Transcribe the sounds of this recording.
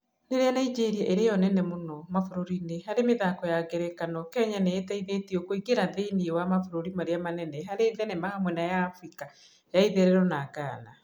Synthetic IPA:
neɾeanaid͡ʒeɾiaʔeɾejɔnɛnɛmonɔmafoɾoɾinehaɾemeðakɔjaɡeɾɛkanɔkɛɲaneetɛiðetiɔkoiɡeɾaðeiniwamafoɾoɾimaɾeamanɛnɛɦaɾeðɛnɛmahamwɛnajaːfɾika | jaiðeɾɛɾɔnakaːna

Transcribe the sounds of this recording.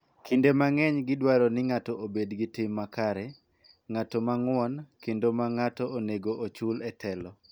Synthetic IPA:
kʰindemaŋɛɲɡɪdwaɾɔnɪŋatɔobedɡɪtɪmːakaɾɛ | ŋatɔmaŋwɔnkendomaŋatɔoneɡoʔot͡ʃulɛtʰɛlɔ

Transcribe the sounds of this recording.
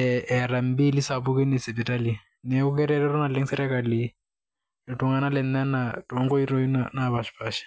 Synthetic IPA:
ɛɛɾam̩bilisapukɛnɛsɛpitali | nɛukɛɾɛɾɛɾɔnalɛŋsɛɾɛkali | ntuŋanalɛnːɛnatɔŋɡɔiroinanaβaʃpaʃi̥

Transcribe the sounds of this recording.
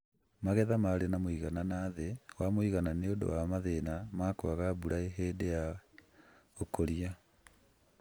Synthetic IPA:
maɣɛðamaɾenamoiɣananaðewamoiɣananeodo̰wamaðenamakoaɣabuɾaeɦeːdeja | okoɾia

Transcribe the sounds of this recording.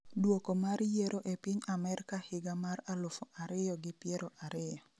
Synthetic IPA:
dwokomarjeɾoʔɛpɪɲamɛrkahɪɡamaralofoaɾɪjɔɡɪpjeɾoʔaɾɪjɔ

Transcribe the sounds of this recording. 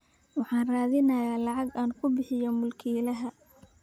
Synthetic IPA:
wɑħɑːnraːðɪnɐjaːlɑʕɑɡaːnkʰʊbɪħɪjɐmʊlkʰiːlɐɦɐ

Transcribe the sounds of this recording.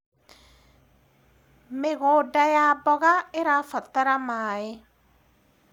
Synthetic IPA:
meɣodajabɔɣaeɾafataɾamae

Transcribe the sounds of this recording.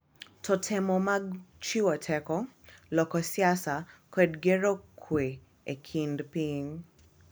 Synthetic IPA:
tʰɔtʰɛmɔmaɡt͡ʃiwɔtʰɛkɔlɔkɔsjasakwɛdɡeɾokʰwe | ekʰindpiɲ

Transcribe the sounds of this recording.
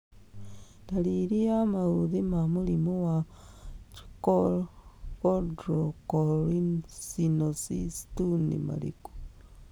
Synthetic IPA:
daliɾiamauðimamulimowa | t͡ʃko | odɾokoɾinsinosistunḭma̰lḭko̥

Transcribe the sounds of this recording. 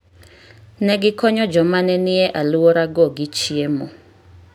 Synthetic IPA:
nɛɡɪkɔɲɔd͡ʒɔmanɛnɪɛʔaluoɾaɡɔɡit͡ʃiemɔ

